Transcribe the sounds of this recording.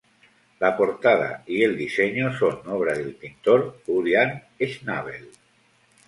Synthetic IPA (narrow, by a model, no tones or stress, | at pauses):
lapoɾt̪að̞a̰ield̪iseɲosonɔβ̞ɾaðelpint̪oɾuɾjan | eʃna̰β̞ḛl